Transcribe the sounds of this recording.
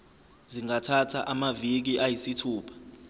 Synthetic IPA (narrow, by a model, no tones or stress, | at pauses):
ziŋatʰatʰaʔamavik̬iʔajisitʰuːpʰḁ